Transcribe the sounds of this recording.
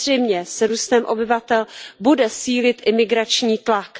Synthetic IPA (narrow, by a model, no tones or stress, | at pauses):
rɛjmɲɛsɾuːst̪ɛmʔo̰bɪvat̪ɛlbudɛsiːlɪt̪ʔɪmɪɡɾat͡ʃɲiːt̪lak